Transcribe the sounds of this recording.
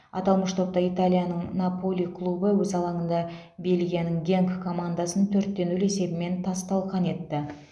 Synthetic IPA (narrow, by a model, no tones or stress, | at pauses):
ɑ̰t̪ɑlˠməʃt̪ʰo̞p̚t̪ɑijt̪alʲijanəɴnapo̞lʲijkʰlˠubəwɵzɑlˠɑɴənd̪ɑ | be̞lɡʲijanəŋɡʲe̞ŋkkʰːo̞mand̪asənt̪ʰɵɾt̪ːe̞nʏle̞se̞bɪme̞nt̪ʰɑst̪ɑlˠʁɑne̞t̪ːɪ